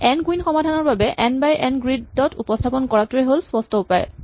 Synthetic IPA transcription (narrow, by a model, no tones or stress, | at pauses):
ɛnɡuwinxɔmadʱanɔɹbabɛʔɛnbajʔɛnɡɹiddɔtupɔstʰapɔnkɔɹatuɹɛɦolspɔstʰɔupajɛ̰